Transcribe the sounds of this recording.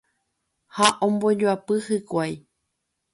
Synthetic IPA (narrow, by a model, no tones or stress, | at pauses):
haʔõmboɲuapɨhɨkʷaj